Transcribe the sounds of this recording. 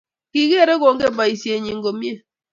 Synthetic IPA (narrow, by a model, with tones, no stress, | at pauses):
ki˨ɣe˦ɾe˦ɣo˨ŋɡe˦ba˨i˨sje˨ɲi˨ŋɡo˨mje˦˨